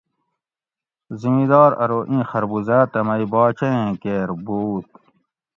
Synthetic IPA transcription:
zimiːd̪ɑːɾɐ̰ɾoːʔĩːxɐɾbuzaːt̪ɐmɐibɑːt͡ɕɐẽːkeːɾbuːt̪̚

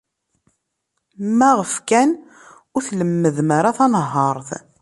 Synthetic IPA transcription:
mːæʁəfkæn | ʊɾθləmːəðmaɾaθɑnəɦːɑɾˤθ

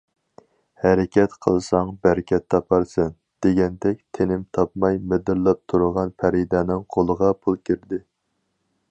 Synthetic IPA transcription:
hɛɾɪkʲʰɛt̪qʰəlˠsɑŋbæɾkʲʰɛt̪ʰːɑpʰɑɾsɨn | d̪̥eɡʲɛnd̪ɛkʲt̪ʰenɪmt̪ʰɑp̚mɑjmɪd̪ɪɾlˠɑp̚t̪ʰuɾʊʁɑnpʰæɾid̪ɛnɪŋqʰolˠəʁɑpʰulˠkʲʰiɾd̪ɪ

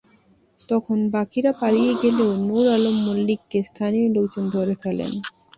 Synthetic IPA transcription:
t̪ɔkʰonbakiɾapaɾijeɡeleonuɾalomːolːikːest̪ʰaniolokd͡ʑond̪ʱoɾefɛlḛn

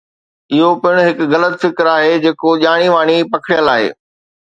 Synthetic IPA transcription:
ɪɦopɪɽ̃ʊɦɪkɣɐlət̪fɪkɾaːɦed͡ʑeːkoʄaːɽ̃iʋaːɽ̃ipɐkʰɽijəlaːɦḛː

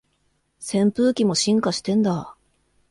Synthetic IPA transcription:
sẽ̞mpɯ̟ːkʲimo̞ɕĩŋkaɕi̥t̪ẽ̞nd̪a

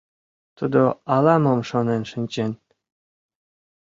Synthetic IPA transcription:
t̪ud̪oɑlɑmɤmʃonenʃɘnʲt͡ɕen

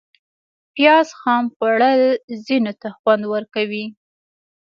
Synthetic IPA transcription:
pjɑzxɑmpaɽalzinot̪axwand̪wəɾkawi

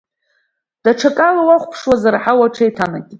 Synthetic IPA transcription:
d̥aʈ͡ʂʰakʼalawaχʷpʰʂwazaraħawaʈ͡ʂʰajtʰanakʲʼ

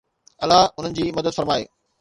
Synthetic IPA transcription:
ɐlaʊn̤ənɪ̆d͡ʑiːmɐd̪əd̪fɐɾmaːḛː

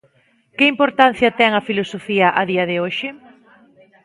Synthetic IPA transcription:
kɪimpoɾt̪an̟θjɐt̪ɛŋɐfilosofiɐʔɐðiɐðɪoʃɪ

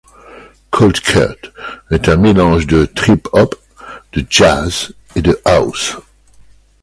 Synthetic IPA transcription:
kʰɔlt̪kʰa̰t̪ɛt̪ɛ̃melɑ̃ʒd̪ət̪χipʰɔp | d̪̥əd͡ʒaz | ed̪əʔaws

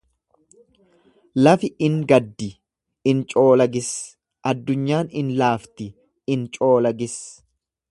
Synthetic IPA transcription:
lɐfɪʔɪŋɡɐd̪ːɪ | ɪnt͡ʃʼo̞ːlɐɡɪs | ʔɐd̪ːʊɲːaːnɪnlaːft̪ɪ | ɪnt͡ʃʼo̞ːlɐɡɪs

